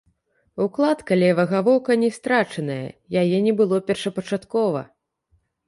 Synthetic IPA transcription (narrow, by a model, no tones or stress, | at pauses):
uklˠat̪kɐlʲɛvɐɣavɔwkɐnʲɛst̪ɾat͡ʂɐnɐjɐ̰jajɛnʲɛbɨlˠɔpʲɛrʂɐpɐt͡ʂat̪kɔvɐ̰